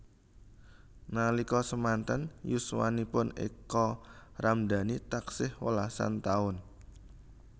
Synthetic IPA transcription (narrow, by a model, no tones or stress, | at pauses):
nalikɔsəmant̪ənjuswa̰nipʊnḭkɔramd̪a̤nit̪aksɪhwəlasa̰nt̪aʊn